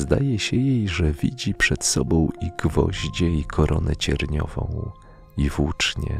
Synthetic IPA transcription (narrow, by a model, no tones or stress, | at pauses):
zd̪ajɛɕɛjejʐɛvʲid͡ʑipʂɛt̪sɔbɔ̃w̃iɡvɔʑd͡ʑɛikʰɔɾʔɔnɛt͡ɕɛɾɲɔvɔ̃w̃ | ivut͡ʂɲɛ̰